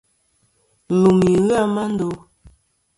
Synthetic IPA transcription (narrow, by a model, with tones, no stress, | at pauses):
lu˨mi˨ɣa˦ma˦n̩˦do˦